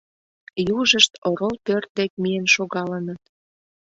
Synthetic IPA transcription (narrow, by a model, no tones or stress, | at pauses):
juʒəʃt̪oɾolpørt̪̚d̪ek̚mijenʃoɣɑlənət̪̚